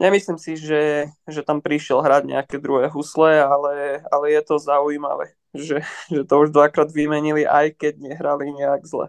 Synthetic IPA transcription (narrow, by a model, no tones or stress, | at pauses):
ɲɛmislimsiʒɛʒɛt̪ampɾiʃɪɛlɦɾaɟɲɛ̰akɛd̪ɾuɦɛːɦuslɛalɛalɛjɛt̪ɔzaujima̰ʋɛ̰ː | ʒɛʒɛt̪ɔuʒd̪ʋakɾaːd̪ʋimɛɲiliʔa̰jkɛɟɲɛɦɾaliɲɛaɡzlɛ̰